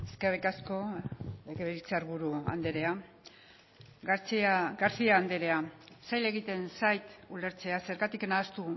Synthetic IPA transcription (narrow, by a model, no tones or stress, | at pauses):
eskerikasko̞eɣeβeit͡seaɾβuɾua̰nd̪e̞ɾe̞a | t͡saɡaɾsiaːnd̪eɾe̞asajle̞ɣit̪e̞nsajt̪ule̞ɾt͡se̞ase̞ɾɣat̪ikenaðast̪u